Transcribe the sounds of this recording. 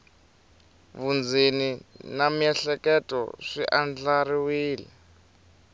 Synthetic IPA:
βund͡zininamiɛɬɛkʼɛtʼɔ̰ʂiʔand͡ɮaɾiwiːlɛ

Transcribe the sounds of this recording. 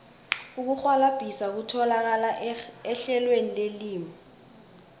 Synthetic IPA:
uk̬uxwalab̥ʱisak̬utʰɔlak̬alaɛɬɛlwenileliːmi

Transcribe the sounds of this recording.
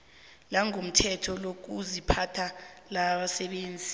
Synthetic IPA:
laŋom̩tʰɛtʰɔlok̬uzipʰatʰalaɓasɛɓeːnd͡zʱi

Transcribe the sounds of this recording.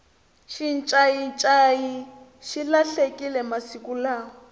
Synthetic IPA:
ʃint͡ʃʼajit͡ʃʼaji | ʃilaɬekʼilɛmasikulaːɔ

